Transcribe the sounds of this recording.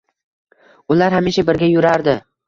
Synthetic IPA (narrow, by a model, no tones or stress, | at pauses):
ʊlaɾɦamiʃabɪɾɡʲajʊɾaɾd̪ɪ